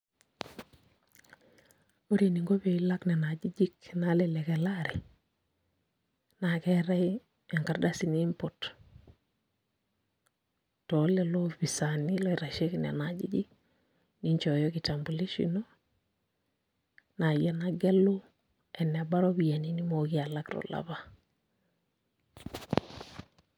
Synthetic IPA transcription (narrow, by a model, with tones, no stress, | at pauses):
o˦ɾe˨ni˨ŋɡo˦be˨i˦la˦knɛ˨na˨d͡ʒi˦d͡ʒi˦kna˨˦lɛ˨lɛ˨kɛ˨laɾɛ˨ | na˨kɛ˦ɾɛ˦j | ɛ˨ŋka˨ɾda˦si˦niː˦mpo˨t | tɔ˨lɛ˨lɔ˦fi˨sa˨ni˦lɔ˦i˦ɾa˨ʃe˦kinɛ̰˨na˨d͡ʒi˦d͡ʒi˦k | ni˦ɲt͡ʃɔ˨jɔ˦ki˨ta˨mbu˨li˦ʃḭno˦ | na˨jɛ˨na˦ɡɛ˦lu˦ | ɛ˨nɛ˨ba˦ɾɔ˦bi˨ja˨ni˦ni˦mo˨ki˦a˨la˦kɾɔ̰˨la̰˨βa˦